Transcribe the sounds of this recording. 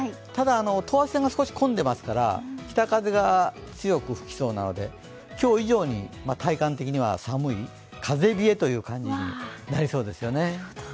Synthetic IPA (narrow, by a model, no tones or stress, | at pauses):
t̪ad̪aːno̞t̪o̞βaseŋɡasɨ̥ko̞ɕi̥kõ̞nd̪e̞masɨ̥kaɾa̰kʲi̥t̪akaze̞ɡat͡sɨjo̞kɯ̟ɸɯ̟̥kʲi̥so̞ːna̰no̞̰d̪e̞̰ | kʲo̞ːiʑo̞ːɲ̟ḭmat̪ʰaikãnt̪e̞kʲiɲ̟iβa̰samɯ̟i | kʰaze̞bʲie̞t̪o̞jɯ̟ːkãɲ̟d͡ʑiɲinaɾʲiso̞ːd̪e̞sɨjo̞ne̞